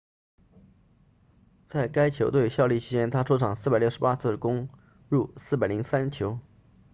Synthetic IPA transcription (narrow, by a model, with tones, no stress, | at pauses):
t͡sa˥˩ɪka˥ɪt͡ɕʰjo˧˥ʊt̪̬we˥˧ɪɕjɑ˥˧ʊli˥˩t͡ɕʰi˥t͡ɕjɛ˥nt̪ʰa˥ʈ͡ʂʰɔ˥ʈ͡ʂʰɑ˨˩ŋsɹ̩˥˩a˨˩ɪjʊʂɻ̩˧˥pa˥t͡sʰɹ̩˥˩kʊ˥ŋ | ɻu˥˧sɹ̩˥˩p̬a˨˩ɪli˧˥ŋsa˥nt͡ɕʰjo˧˥ʊ